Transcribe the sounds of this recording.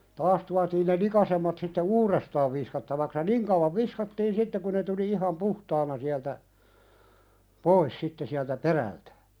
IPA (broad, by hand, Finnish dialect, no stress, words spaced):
tɑːs tuɑtiːn ne likɑsemːɑt sitːe uːrestɑːʋ ʋiskɑtːɑʋɑks jɑ niŋ kɑuwɑʋ ʋiskɑtːiːn sitːe ku ne tuli ihɑm puhtɑːnɑ siæltæ pois sitːe siæltæ peræltæ̥